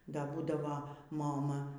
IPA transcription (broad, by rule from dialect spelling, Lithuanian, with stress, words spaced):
ˈdɐ ˈbuːdɐʋoː moːˈmɐ